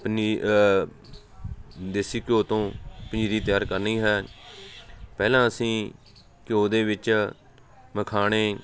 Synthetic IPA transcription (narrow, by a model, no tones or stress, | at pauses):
pniː | d̪esiːkjoːt̪õːpɪ̃ɲd͡ʒɾiːt̪ɪjaːɾkəɾniːɦɛː | pɛːlãːəsĩː | kɪjoːd̪eːʋɪt͡ʃ | məkʰaːɳeː